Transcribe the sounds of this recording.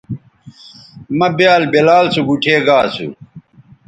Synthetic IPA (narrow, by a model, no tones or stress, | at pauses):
mɐbjaːlbelaːlsuɡuʈʰeːɡaːsṵ